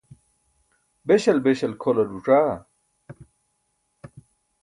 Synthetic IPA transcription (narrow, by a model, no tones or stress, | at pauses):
beɕɐlbeɕɐlkʰolɐɖuʈ͡ʂaː